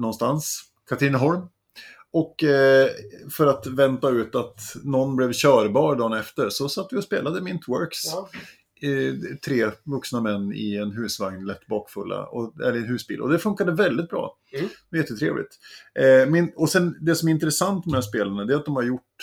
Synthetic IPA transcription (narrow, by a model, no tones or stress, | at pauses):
nɔnst̪ans | kʰat̪ʰɾɪnɦɔɾm | ɔkː | fœɾat̪vɛnt̪aʉ̟ːt̪at̪nɔnblɛvɕœːɾbɑːɾɖ̪ɑːnɛft̪əɾsɔsat̪ːvɪɔspḛːlad̪əmɪnt̪ʰwœɾks | t̪ʰɾeːvɵksnamɛnːɪ̰ɛnɦʉ̟ːsvaŋnlɛt̪ːbɑːkfɵlːa̰ɔɛlːɛnɦʉːsbḭːlɔ̰d̪ɛfɵŋkad̪əvɛld̪ɪt̪̚bɾɑ̰ː | jɛt̪ːət̪ʰɾḛːvlɪ̰t̪ | mɛnɔsɛnd̪ɛsɔmɛɾɪnt̪ɾɛsant̪ɔmæʂspeːlaɳad̪ɛat̪̚d̪ɔmhaɾjʊʈ